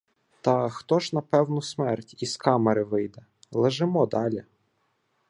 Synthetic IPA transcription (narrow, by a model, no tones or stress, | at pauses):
t̪ɐxt̪ɔʒnɐpɛwnʊsmɛrtʲiskɑmeɾɪʋɪjd̪ɛ | lˠeʒɪmɔd̪ɑlʲɛ